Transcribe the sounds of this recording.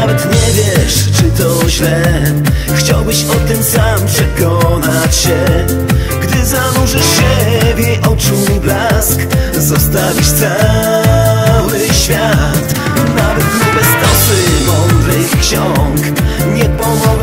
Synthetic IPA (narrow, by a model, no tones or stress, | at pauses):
avɛt̪ɲɛvʲjɛʂ | t͡ʂɘt̪ɔʑlɛ | xt͡ɕawbɘɕɔt̪ɨmsampʂɛkɔnat͡ɕɕɛ | ɡd̪ɘzanuʐɛʂɕɛvʲjɛʔɔt͡ʂuiblask | zɔst̪avʲit͡ɕt̪sa | wɘɕfʲjat̪ | navɛt̪ɲɛbɛst̪ɔsɨmɔnɾɨjkɕɔŋk | ɲɛpɔmɔ